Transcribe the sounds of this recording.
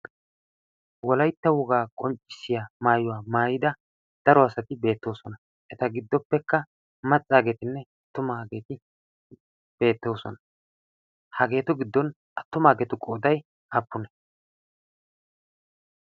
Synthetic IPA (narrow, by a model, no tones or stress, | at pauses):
wɔlɐjt̪ːɐwɔɡaːkʼɔmt͡ʃʼːɪ̥sːɪjamaːjʊwaːmaːjɪd̪ɐ | d̪̥ɐɾɔɐsɐt̪ɪbe̞ːt̪ːo̞ːsɔnɐ | ʔɛt̪ɐɡɪd̪ːɔpːɛkːɐ | mɐt͡sʼːaːɡeːt̪ɪnːɛɐt̪ːʊmaːɡe̞ːt̪ɪ | b̥e̞ːt̪ːo̞ːsɔ̰nɐ | hɐɡe̞ːt̪ʊɡɪd̪ːɔn | ɐt̪ːʊmaːɡeːt̪ʊkʼoːd̪ɐj | ʔɐpːʊnɛ̥